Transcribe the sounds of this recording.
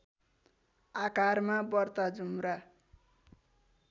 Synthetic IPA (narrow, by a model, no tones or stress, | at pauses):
akarmabʌrt̪ad͡zumɾa